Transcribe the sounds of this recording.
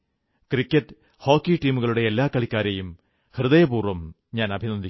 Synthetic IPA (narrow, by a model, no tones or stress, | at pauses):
krikʲːɐtː | ho̞ːkːiʈiːmuɣɐɭuɽe̞elːaːkɐɭikʲːaːɾɐjum | hrɨðɐjɐpuːrʋɐm | ɲaːnɐbʱinɐnd̪ʱi